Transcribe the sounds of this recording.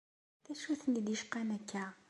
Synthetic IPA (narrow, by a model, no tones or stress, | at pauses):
θæʃuθənd̪əʃqanækːæ